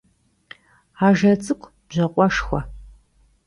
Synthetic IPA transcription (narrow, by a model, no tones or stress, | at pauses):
aʒɐt͡sʼɨkʷʰʼ | b̥ʑɐqʷʼɔʂxʷɔ